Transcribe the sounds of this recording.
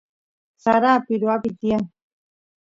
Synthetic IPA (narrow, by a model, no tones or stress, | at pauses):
saɾaːpiɾuabit̪ia